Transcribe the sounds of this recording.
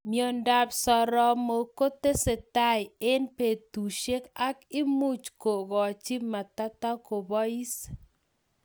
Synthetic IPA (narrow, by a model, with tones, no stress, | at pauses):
mjo˦nda˦bsɔ˨ɾɔ˦mo˨ko˦te˦se˨ta˦ɪ˨e˦npe˨tu˨ʃe˦ka˦kɪ˦mu˦t͡ʃko˨ɡɔ˨t͡ʃi˦ma˨ta˦ta˦ko˨bɔ˦i˦s